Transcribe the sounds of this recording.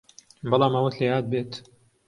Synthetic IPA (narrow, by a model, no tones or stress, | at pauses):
bɑlˠɑːmɐwɐt̪lejaːt̪̚beːt̪